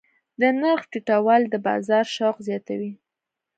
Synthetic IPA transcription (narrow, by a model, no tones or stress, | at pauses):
d̪ənaɾxʈiʈawɑld̪əbɑ̰zɑɾʃɑqzjɑt̪a̰wi